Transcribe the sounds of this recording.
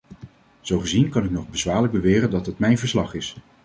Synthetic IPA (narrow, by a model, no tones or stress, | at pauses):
z̥owχəzinkɑnɪknɔχbəzʋaːɹləɡ̚bəʋɪːrəndɑtɦətmɛjnvəɹslɑχɪs